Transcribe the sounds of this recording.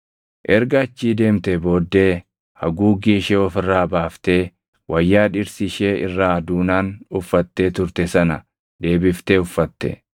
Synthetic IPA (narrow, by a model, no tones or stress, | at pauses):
ʔɛɾɡɐːt͡ʃːiːd̪e̞ːmt̪ɛbo̞ːd̪ːe̞ː | hɐɡuːɡiːʃɛɔfɪrːaːbaːft̪e̞ː | wʔɐjːaːᶑɪɾsɪʃeːɪrːaːd̪uːnaːnʊfːɐt̪ːeːt̪ʊɾt̪ɛsɐnɐ̰ | d̪e̞ːbɪft̪eːʊfːɐt̪ːɛ̰